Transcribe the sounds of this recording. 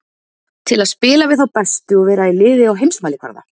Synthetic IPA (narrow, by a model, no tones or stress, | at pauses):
t̪ʰɪlaðspɪːlavɪðθawpɛst̪ʏɔɣvɛːɾailɪːðɪawɦejmsmaːlɪkva̰ɾða̰